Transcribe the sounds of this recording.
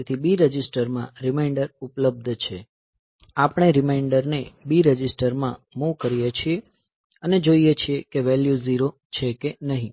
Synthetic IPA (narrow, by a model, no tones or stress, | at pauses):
t̪ʰibiɾəd͡ʒisʈəɾmãɾɪmaɪɳɖəɾupləb̚d̪ʱt͡ʃʰe | apɳ̃eɾɪmaiɳɖəɾnebiɾəd͡ʒisʈəɾmã̰mukəɾijet͡ʃʰie | əned͡ʒoijet͡ʃʰiekeʋɛljuziɾo | t͡ʃʰekenəɦĩ